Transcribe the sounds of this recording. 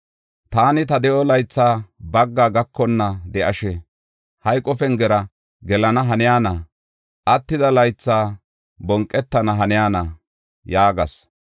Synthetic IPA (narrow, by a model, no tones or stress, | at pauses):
t̪aːnɪt̪ɐd̪ɛʔɔlɐjt͡sːaːbɐɡːaːɡɐkʰːɔnːɐd̪ɛʔɐʃɛ | hɐjkʼːɔfɛnɡɛɾɐ | ɡɛlɐnɐɦɐnɪjaːnɐ | ʔɐt̪ːɪd̪ɐlɐjt͡sːaː | bɔŋkʼːɛt̪ːɐnɐɦɐnɪjaːnɐ | jaːɡɐs